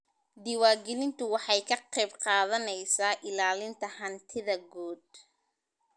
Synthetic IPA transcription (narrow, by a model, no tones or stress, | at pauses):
d̪ɪwaːɡɛlɪnt̪ʰʊwɑħɑjkʰɐqɛjbqɑːðɐnɛjsaːʔɪlaːlɪnt̪ʰɐhɐnt̪ʰɪðɐɡuːd̪̚